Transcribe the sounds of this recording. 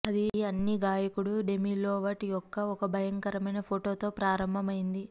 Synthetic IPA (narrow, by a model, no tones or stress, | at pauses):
ɐd̪iɐnːiɡaːjɐkuɽuɖe̞miːloːʋɐʈijɔkːɐɔkɐbʱɐjɐŋkɐɾɐmɐjnɐpʰoʈo̞ːt̪o̞ːpɾaːɾɐmbʱɐmɐjind̪i